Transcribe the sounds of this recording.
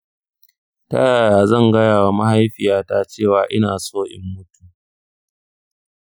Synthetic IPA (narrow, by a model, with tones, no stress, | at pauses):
tɐ̰˦jaː˨jaː˨zɐ˦˨ŋɡɐ˦jaː˨wa˦ma˦ha˦jɸɪ˨jaː˦taː˦t͡ʃeː˦˨waː˨ʔɪ˦naː˨soː˦ʔɪ̰˨mːʊ˦tuː˦